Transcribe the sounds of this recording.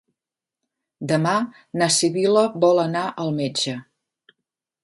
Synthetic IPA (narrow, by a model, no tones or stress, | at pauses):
d̪əma | nəsiβiləβɔlənaʔəlˠmed͡ʒə